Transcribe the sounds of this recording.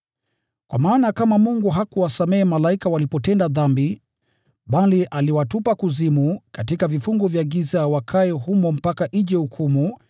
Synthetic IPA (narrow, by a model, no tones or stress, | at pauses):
kwa̰maːnakamamuŋɡuɦakuwasamɛɛmalaikawalipɔtɛndaðambi | ɓaliʔaliwatupakuzimukatikavifuŋɡɔvjaɡizawakʰaɛɦumɔm̩pakaʔiʄɛhukʰumu